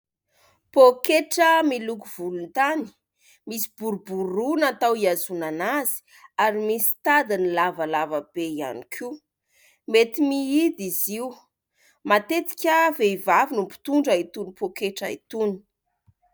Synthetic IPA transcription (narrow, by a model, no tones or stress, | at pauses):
pokeʈ͡ʂəmilukuv̥ulunt̪ani̥ | misi̥b̥uɾubuɾunat̪awiazunanaz̥i̥ | aɾimisi̥t̪ad̪inilavəlavəb̥eia̰nikʰi | met̪imiid̪iziu | mat̪et̪i̥kʲəveivavinumpi̥t̪uɳɖ͡ʐait̪unipʰokeʈ͡ʂaḭt̪uni̥